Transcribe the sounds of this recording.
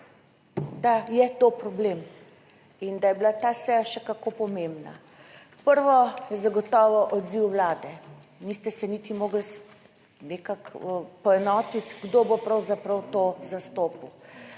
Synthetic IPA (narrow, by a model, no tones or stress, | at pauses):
d̪ajɛt̪opɾɔbleːm | ind̪ajɛbilat̪asɛjaʃɛkakopɔmembna̰ | pəɾʋɔjɛzaɡɔt̪ɔːʋɔʔɔd̪ziwwlaːd̪ɛ | nist̪ɛsɛnit̪imoːɡls | nekakəpɔɛnɔːt̪it̪ɡd̪obopɾɐwzapɾɐwt̪ozast̪oːpu